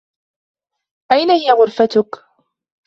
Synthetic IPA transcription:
ʔajnahɪjaɣʊɾfat̪ʊk

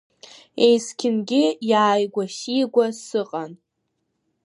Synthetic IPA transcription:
ejskʲʰɪnɡʲɪjaːjɡʷaʃiɡʷasɨqʼan

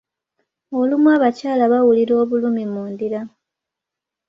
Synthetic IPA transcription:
olumwaːβacaːlaβawuliɾo̞ːβulumimuːndiɾa

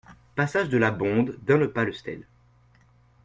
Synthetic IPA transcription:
pasaʒd̪əlabɔ̃d̪ːɛ̃ləpaləst̪ɛ̰l

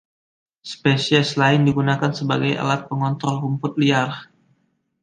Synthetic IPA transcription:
spesiɛslaɪndiɡunakansəbaɡaja̰lat̪̚pəŋɔnt̪ɾɔlɦumpʊt̪̚liar

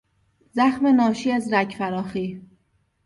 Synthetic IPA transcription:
zæxmenɒːʃiːæzɾæcʰfæɾɒːxiː

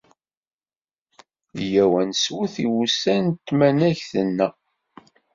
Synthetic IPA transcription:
jæwænswuθiwusænt̪ːmænæçθənːæ

